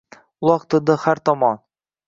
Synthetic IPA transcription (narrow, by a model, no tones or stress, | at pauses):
ulˠɑqt̪ɤ̆d̪ɤχæɾt̪ɒmɑn